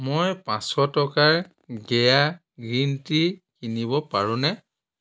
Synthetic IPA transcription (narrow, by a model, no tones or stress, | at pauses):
mojpãsɔtɔkaɹ | ɡɛja | ɡɹintikinibɔpaɹʊ̃nɛ